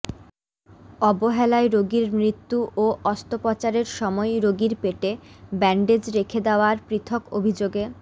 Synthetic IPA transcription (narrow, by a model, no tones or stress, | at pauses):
ɔboɦɛlaeɾoɡiɾmɾit̪ːuʔoʔɔst̪opɔt͡ɕaɾeɾʃɔmɔeɾoɡiɾpeʈebɛɳɖed͡ʑɾekʰed̪eoaɾpɾit̪ʰoko̰bʱid͡ʑoɡe